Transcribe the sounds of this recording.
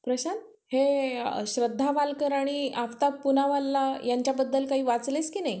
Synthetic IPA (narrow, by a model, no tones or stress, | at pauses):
pɾəɕan | heɕɾəd̪ʱːaʋalkəɾaɽ̃iaft̪apunaʋalːajaɲt͡ɕjabəd̪ːəlkaɦiːʋat͡sleskiːnai